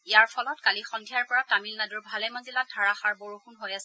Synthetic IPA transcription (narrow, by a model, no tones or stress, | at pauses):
ijaɹpʰɔlɔtkalixɔndʱijaɹpɔɹatamilnaduɹbʱalɛmaziladʱaɹaxaɹboɹuxunɦojasɛ